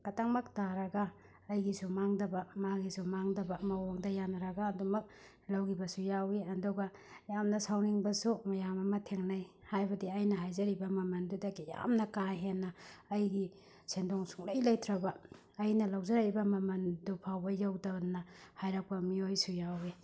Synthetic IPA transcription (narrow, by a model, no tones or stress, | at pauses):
kataŋmɐk̚taɾɐɡaː | jɡisumaŋdɐbɐmaɡisumaŋdɐbɐmɐwoŋdɐjanɐɾɐɡaːdumɐk̚ | lawɡibɐsujawiɐduɡɐ | jamnɐsawniŋbɐsumɐjamɐmɐtʰeŋnaj | hajbɐdiɐjnɐɦajzɐɾibɐmɐmɐndudɐɡija̰mnɐkaɦenːɐːjɡi | sʰendoŋsu̥ŋlajlɐjtʰɾɐbɐː | jnɐlawzɐɾaɾibɐmɐmɐndupʰawbɐjawdɐnɐhajɾak̚pɐmiojsujawi